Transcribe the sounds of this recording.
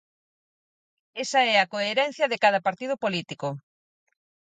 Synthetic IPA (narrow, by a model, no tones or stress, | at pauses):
esɐɛɐkoeɾɛn̟θjɐðekað̞ɐpaɾt̪ið̞ʊpolit̪iko